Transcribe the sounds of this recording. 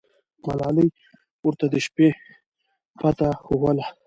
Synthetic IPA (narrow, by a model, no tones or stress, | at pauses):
ma̰lɑləj | wʊɾt̪ad̪əʃpe | pat̪axowəla